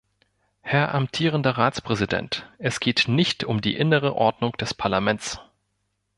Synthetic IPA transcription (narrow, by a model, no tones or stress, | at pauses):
hɛɐʔamtʰiːʁəndɐʁaːt͡spʁ̥ɛzidɛ̰ntʔɛsɡ̥eːtnɪçtʰʊmdḭːʔɪnəʁ̞əʔɔɐdnʊŋd̥ɛspʰaɐlamɛnt͡s